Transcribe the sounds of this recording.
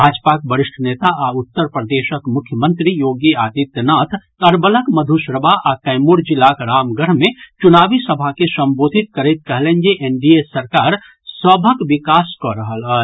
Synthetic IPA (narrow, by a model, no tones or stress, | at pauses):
bʱaːd͡ʒpakbəɾɪʃʈʰəneːt̪aʔaʊt̪ːəɾpɾəd̪eːʃəkmʊkʰjəmə̃nt̪ɾijoːɡiaːt̪it̪jənaːt̪ʰkɐɾbələkmɐd̪ʱuʃɾəbʱaʔakɐ̃ɪmuɾd͡ʒɪlːakɾaːmɡəɾmẽt͡ʃʊnaːʋisɐbʱakesɐ̃mboːd̪ʱɪt̪̚kɐɾet̪̚kɐɦlẽːnd͡ʒeʔenɖiesɐɾkaːɾ | səbʱəkʋɪkaːskoɾəɦəlɦɛ